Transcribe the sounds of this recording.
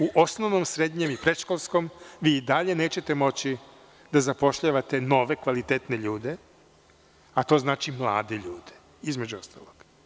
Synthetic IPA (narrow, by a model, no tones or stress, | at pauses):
uʔo̞snoʋnomsɾe̞d̪ɲe̞mipɾe̞d̪ʃkolˠsko̞mʋiːid̪aʎe̞ne̞ːt͡ɕe̞t̪e̞mo̞t͡ɕi | d̪azapo̞ʃʎaʋat̪e̞no̞ʋe̞kʋalit̪eːt̪neʎuːd̪e̞ | at̪o̞ːznaːt͡ʃimlˠa̰ːd̪eʎuːd̪e̥ | izme̞d͡ʑuo̞st̪a̰ːloɡ̥